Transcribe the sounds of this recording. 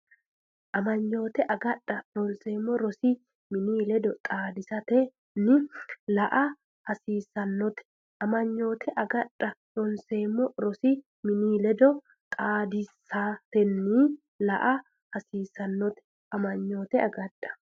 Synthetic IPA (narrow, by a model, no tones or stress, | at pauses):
ʔɐmɐɲːo̞ːt̪ɛʔɐɡɐᶑːɐɾɔnseːmːɔɾɔsi | mɪniːlɛd̪ɔt̪ʼaːd̪ɪsɐt̪ɛ | nɪlɐʔɐ | hɐsiːsɐnːɔt̪ɛ̥ | ʔɐmɐɲːo̞ːt̪ʰɛʔɐɡɐᶑɐɾɔnseːmːɔɾɔsi | mɪniːlɛd̪ɔ | t̪ʼaːd̪ɪsaːt̪ɛnːiː | lɐʔɐ | hɐsiːsɐnːɔt̪ɛ̥ | ʔɐmɐɲːo̞ːt̪ɛɐɡɐᶑɐ̥